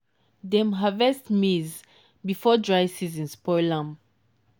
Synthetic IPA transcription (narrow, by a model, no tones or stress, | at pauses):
dɛ̃mɦavɛstmiz | bifɔdɹajsizĩnspɔjlãm